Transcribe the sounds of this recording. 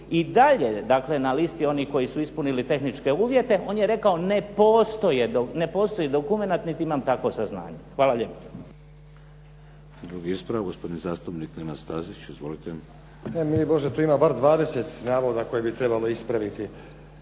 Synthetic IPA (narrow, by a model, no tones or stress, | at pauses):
id̪aʎe̞d̪akle̞nalist̪io̞niko̞jisuispunilit̪e̞xnit͡ʃke̞uːʋje̞t̪e̞ʔo̞ːnjeɾe̞kao̞ne̞poːst̪o̞jed̪one̞po̞ːst̪o̞jed̪okume̞nat̪nit̪iimamt̪ako̞sazna̰ːɲexʋaːlaʎepo̥ | d̪ɾuɡiispɾaɡospo̞d̪inizaːst̪upniknenast̪aːzit͡ʃizʋolit̪e | emiboʒet̪uːimabaɾd̪ʋaːd̪e̞set̪naːʋo̞d̪ako̞jebit̪ɾebalo̞ispɾaʋit̪i